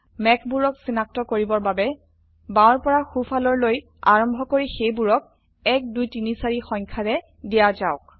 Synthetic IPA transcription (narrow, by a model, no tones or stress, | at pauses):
mɛkʰbuɹɔksinak̚tɔkoɹibɔɹbabɛ | bãɔɹpɔɹaxufʰalɔɹloj | aɹɔmbʱɔkoɹixejbuɹɔk̚ | ɛk̚dujtinisaɹixɔŋkʰaɹɛ | dijazaʊk̚